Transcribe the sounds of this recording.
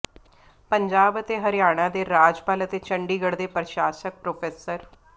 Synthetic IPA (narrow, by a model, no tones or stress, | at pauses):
pəɲd͡ʒaːbət̪eːɦəɾɪjaːɽ̃ãːd̪eːɾaːd͡ʒpaːlət̪eːt͡ʃəɳɖiːɡəɽd̪eːpɾəʃaːsək̚pɾoːpʰeːsəɾ